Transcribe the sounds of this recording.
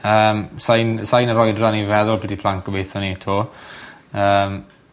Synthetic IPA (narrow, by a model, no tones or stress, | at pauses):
əːmsajnsajnəɾɔjdranivɛðʊlˠbʰɛdipʰlˠaŋkɔbejθɔnitʰoː | əːm